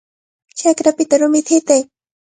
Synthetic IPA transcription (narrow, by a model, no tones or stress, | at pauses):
t͡ʃakɾapɪt̪aɾʊmɪt̪ʰɪt̪aj